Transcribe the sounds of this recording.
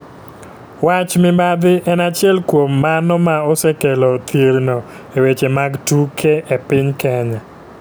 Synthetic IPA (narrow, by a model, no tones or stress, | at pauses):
wat͡ʃmɪbad̪ɪʔɛnat͡ʃɪɛlkwomːanɔmaɔsɛkelɔt̪iɾnɔ | ewet͡ʃemaɡtukʰeʔepɪɲkɛɲɛ